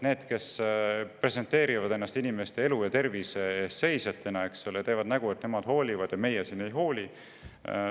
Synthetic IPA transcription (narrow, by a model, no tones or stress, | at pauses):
ne̞ːd̪̥ke̞spre̞se̞nt̪ːe̞ːɾivɑd̪e̞nːɑst̪inime̞st̪e̞e̞lujɑt̪e̞rviseeːsːe̞jset̪ʰːˑenɑe̞ksolet̪eːvɑd̪̥næɡ̥ue̞t̪ːne̞mɑd̪̥ho̞ːlʲivɑd̪̥jɑme̞jesinejɦo̞ːlʲi